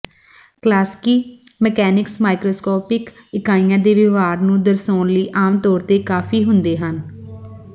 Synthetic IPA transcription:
klaːskiː | məkɛːnɪksmaːɪkɾoːskɔːpɪkɪkaːĩjãːd̪eːʋɪʋaːɾnũːd̪əɾsoːnləiːʔaːmt̪ɔːɾt̪eːkaːfʰiːɦʊnd̪eːɦən

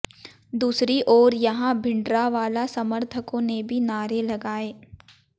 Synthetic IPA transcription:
d̪uːsɾiʔɔːɾjɐɦãbʱɪ̃ɳɖɾaʋaːlasɐməɾt̪ʰəkõnebʱinaːɾelɐɡaːeː

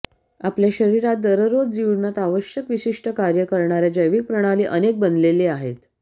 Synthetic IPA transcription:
apljaɕəɾiɾat̪̚d̪əɾəɾod͡zd͡ʑiʋnat̪aʋəɕjəkʋiɕiʂʈəkaɾjəkəɾɳaɾjad͡ʑəjʋik̚pɾəɽ̃aliːʔənek̚bənd̪leleaɦet̪

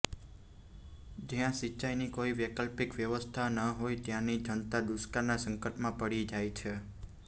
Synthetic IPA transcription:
d͡ʒjãʃiːt͡ʃajnikoiʋjəkəlpikʋjəʋəst̪ʰanəɦojt̪jãnid͡ʒʱənt̪ad̪uskaɾnasəŋkəʈmãpəɽid͡ʒajt͡ʃʰe

